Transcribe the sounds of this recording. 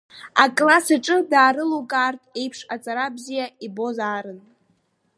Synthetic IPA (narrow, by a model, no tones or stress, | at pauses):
akʼlasaʈ͡ʂʼɨdaːɾɨlukʼartʼe̞jpʰʂat͡sʼaɾabzijaibo̞zaːɾɨn